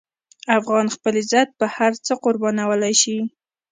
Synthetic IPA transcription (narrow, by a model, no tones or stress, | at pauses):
afɣɑnxpəlezat̪̚pəhaɾt͡səqʊɾbɑnawəlajʃi